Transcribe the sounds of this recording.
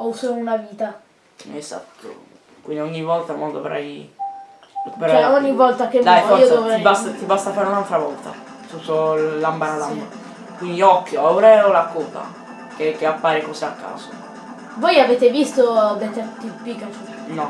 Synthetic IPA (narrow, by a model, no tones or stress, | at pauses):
ɔusounaviːt̪a | eza̰t̪ʰːo̰ | kwind̪ioɲːivːɔlt̪amɔnd̪ovɾa̰j | kupɾaɛoɲːivːɔlt̪ak̟emaiod̪oveibast̪at̪ibast̪afaːɾeunalt̪ɾavɔlt̪a̰ | t̪ut̪ːolːambaɾalam | kwind̪iɔkːjoauɾɛɾolakuːt̪a̰ | kekeapːaːɾekosiakːa̰ːso | vojaveːt̪evist̪od̪ɛt̪ːɛt̪ipːika | nɔ